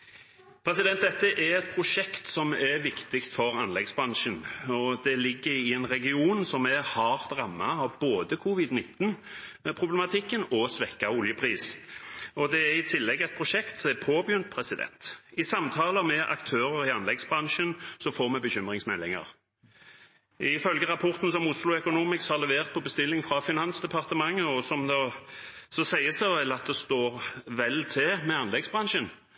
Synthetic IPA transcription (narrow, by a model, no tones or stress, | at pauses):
pʰɾɛsɪd̪ɛnt̪d̪ɛt̪ːəʔɛɾɛt̪̚pʰɾʊʃɛkt̪sɔmɛʋɪkt̪ɪkt̪fɔɾɑnlɛɡsbɾɑnʃənɔd̪ɛlɪɡːəɾɪɛnʁɛɡɪuːnsɔmɛhɑʁt̪ɾɑmːɑɑʋboːd̪əkʰʊʋɪd̪nɪt̪ːn̩pʰʁʊblɛmɑt̪ʰɪkːənɔsʋɛkːaʊljəpʰʁiːs | ɔd̪ɛæɾɪt̪ʰɪlːɛɡːɛt̪̚pʰʁʊʃɛkt̪sɔmɛpʰoːbjʏnt̪̚pʰɾɛsɪd̪ɛ̰nt̪ɪsɑmt̪ʰɑːləmɛʔɑ̰kt̪ʰøːɾəɾɪɑnlɛɡsbʁɑnʃənsɔfoːʁmɛbəçʏmʁɪŋsmɛlːɪŋə̰ʁ | ɪfœlɡəʁɑpʰɔʁt̪n̩sɔmʊslʊœkʊnuːmɪkshɑʁlɛʋeːʁt̪̚pʰɔbəst̪ɪlːɪŋfʁɑfɪnɑnsd̪ɛpʰɑʁt̪əmɑŋːəɔsɔmd̪ɑ | sɔsæɪəsɔʋɛlɑt̪̚d̪ɛst̪oːʁʋɛlt̪ʰɛmɛɑnlɛɡsbʁɑnʃən